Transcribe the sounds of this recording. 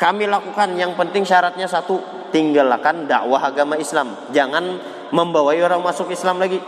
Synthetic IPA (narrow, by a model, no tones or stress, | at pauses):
kamilakukanjaŋpənt̪ɪŋʃaɾat̪̚ɲasat̪u | t̪iŋɡalakanda̰ʔwaɦaɡamaislam | d͡ʒaŋan | məmbawaioɾaŋmasʊkislamlaɡi